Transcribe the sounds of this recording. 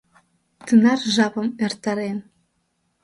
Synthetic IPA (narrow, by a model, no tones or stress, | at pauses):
t̪ɨnɑrʒɑpɤ̆mert̪ɑɾen